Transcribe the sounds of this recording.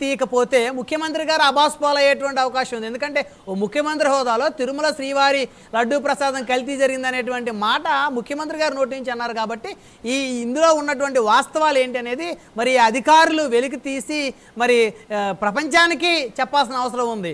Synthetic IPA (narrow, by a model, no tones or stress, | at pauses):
t̪iːjɐkɐpo̞ːt̪e̞ːmukʰjɐmɐnt̪̬ɾiɡaːɾɐbʱaːspɔːlɐjeːʈɐʋɐɳʈiɐʋɐkaːʂɐmund̪end̪ukɐɳʈe̞ː | oːmukʰjɐmɐnt̪ɾiɦɔːd̪aːlo̞ːt̪iɾumɐlɐʃɾiːʋaːɾi | lɐɖːupɾɐsaːd̪ɐmkɐlit̪̬id͡ʒɐɾiɡind̪ɐne̞ːʈ̬uʋɐɳʈimaːʈɐmukʰjɐmɐnt̪ɾiɡaːɾino̞ːʈ̬iiɲt͡ʃɐnːaːɾukaːbɐʈːi | iːnd̪ulo̞ːunːɐʈ̬uʋɐɳʈiʋaːst̪ɐʋaːle̞ːɳʈiɐne̞ːd̪i | mɐɾiɐd̪ʱikaːɾuluʋe̞lik̬it̪iːsi | mɐɾipɾɐpɐɲt͡ʃaːnikit͡ʃɛpːaːls̬inɐɐʋɐsɐɾɐmund̪i